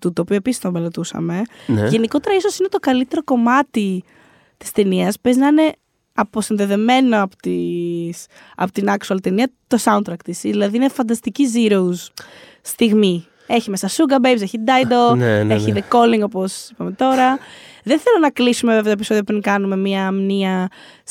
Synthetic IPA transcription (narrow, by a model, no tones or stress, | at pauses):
t̪ut̪oːpioepisist̪ombelet̪usɐ̰me̞nʝe̞niko̞t̪e̞ɾɐiso̞sinet̪o̞kɐlit̪e̞ɾo̞ko̞mɐt̪i | t̪i̥st̪e̞niɐspe̞znɐine̞ | ɐpo̞sinðe̞ðe̞me̞no̞ɐpot̪is | ɐ̰pot̪inɐksuɐlt̪eniɐt̪o̞sɐunt̪ɾɐkt̪isiðilɐðiinefɐnd̪ɐst̪iciziɾo̞us | st̪iɣmi | e̞çime̞sɐsuɡɐbejbse̞çid̪ɐjd̪oeçiðeko̞liŋɡo̞posipɐme̞t̪o̞ɾɐðenθe̞lonɐklisumevevet̪oepiso̞ðiɐpɾiŋkɐnume̞miɐːmniɐ